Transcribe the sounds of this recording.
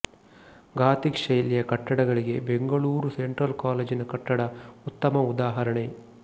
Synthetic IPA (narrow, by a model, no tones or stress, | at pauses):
ɡaːt̪ikʂɐjlijɐkɐʈːɐɽɐɡɐɭiɡe̞beŋɡɐɭuːɾuseɳʈɾɐlkaːleːd͡ʒinɐkɐʈːɐɽɐut̪ːɐmɐud̪aːɦɐɾɐɳe